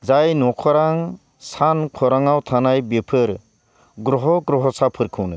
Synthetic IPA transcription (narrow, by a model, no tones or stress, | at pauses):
zajnɔkʰɔɾaŋ | sankʰɔɾaŋawtʰanajbepʰɯɾ | ɡɾɔɦɔɡɾɔɦɔsapʰɯɾkʰɯwnɯ